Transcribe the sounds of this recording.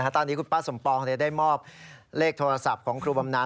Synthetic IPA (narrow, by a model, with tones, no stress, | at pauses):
kʰa˦˥t̪ɔː˧niː˦˥kʰu˧npaː˦˥so˩˦mpɔː˧k̪ʰa˧˩da˥˩jmɔː˥˩p̚leː˥˩k̚t̪ʰoː˧ɾa˧sa˨˩p̚kʰɔː˩˦ŋkʰɾuː˧ba˧mnaː˦˥